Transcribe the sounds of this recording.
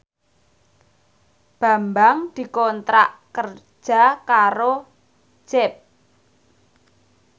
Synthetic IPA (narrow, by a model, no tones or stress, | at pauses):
b̥a̤mbaŋd̪̥i̤kɔnt̪ɾaʔkər̥ | ʒ̥a̤kaɾo̥ | ʒ̥ɛp̚